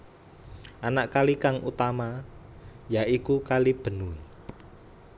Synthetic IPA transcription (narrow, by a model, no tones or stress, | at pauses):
ʔanaʔkalikaŋʔut̪ama | jaʔikukalib̥ə̤nui